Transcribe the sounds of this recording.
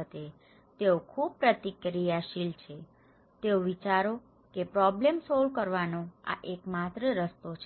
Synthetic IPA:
ət̪e | t̪eokʰub̚pɾət̪ikɾijaʃilt͡ʃʰe | t̪eoʋit͡ʃaɾo | kepɾɔblemsɔlkəɾʋanõa̰ʔekmat̪ɾəɾəst̪ot͡ʃʰ

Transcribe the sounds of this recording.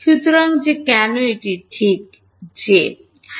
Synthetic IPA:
ʃut̪oɾaŋd͡ʑekɛnoeʈiʈʰik̚ | d͡ʑe

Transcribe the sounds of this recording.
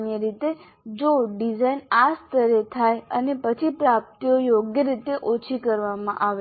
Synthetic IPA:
njəɾit̪e | d͡ʒoɖid͡ʒainast̪əɾet̪ʰajənepət͡ʃʰipɾap̚t̪iojoɡjəɾit̪eʔot͡ʃʰikəɾʋamã̰ʔaʋe

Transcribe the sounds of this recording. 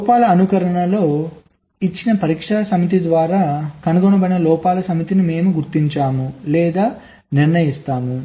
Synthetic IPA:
lɔːpaːlɐːnukɐɾɐɳɐlo̞ː | it͡ʃːinɐpɐɾiːkʂɐsɐmit̪̬id̪ʋaːɾaːkɐnuɡɔnɐbɐjnɐlɔːpaːlɐsɐmit̪inime̞ːmuɡuɾt̪iɲt͡ʃaːmulɛːd̪aː | niɾɳɐjist̪aːmu

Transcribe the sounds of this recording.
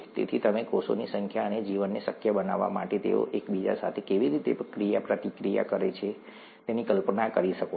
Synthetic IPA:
t̪ḛt̪ʰit̪əmekoso̰nisəŋkʰjaəned͡ʒiʋənːisəkʰjəbəna̰ʋːa̰ma̰ʈet̪ḛo̰ʔekbid͡ʒa̰sat̪ʰekeʋiɾit̪epəkɾijapɾət̪ikɾija̰kəɾet͡ʃʰe | t̪enikəlpnakəɾiʃəko

